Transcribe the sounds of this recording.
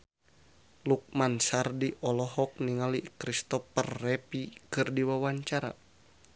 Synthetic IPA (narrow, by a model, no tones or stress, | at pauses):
luk̚mansardiʔɔlɔɦɔk̚niŋalikɾist̪ɔpərːɛpikɨrdiwawaɲt͡ʃaɾa̰